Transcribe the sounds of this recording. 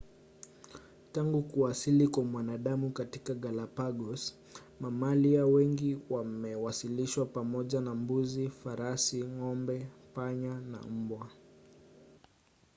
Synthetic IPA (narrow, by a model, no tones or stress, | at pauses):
taŋɡukuasilikwamwanaɗamukatikaɠalapaɡɔs | mamaliawɛŋɡiwamɛwasiliʃwapamɔʄanambuzifaɾasiŋɔmbɛpaɲana̰m̩bwa